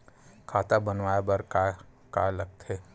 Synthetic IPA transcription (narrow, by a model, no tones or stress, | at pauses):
kʰaːt̪abɐnʋaːjebɐɾka | kaːlɐɡ̚t̪ɦɛː